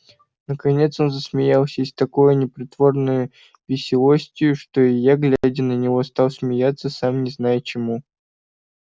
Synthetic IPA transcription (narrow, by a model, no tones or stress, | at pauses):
nəkɐnʲe̞t̪so̞nzəsmʲɪjalˠsʲəɪsʲt̪ɐko̞jʊnʲɪpɾʲɪt̪vo̞rnəjʊ | vʲɪsʲɪlˠosʲtʲɪjʊʂt̪o̞ɪjaɡlʲadʲɪnənʲɪvo̞st̪alˠsmʲɪjat̪səsamnʲɪznajʊt͡ɕɪmu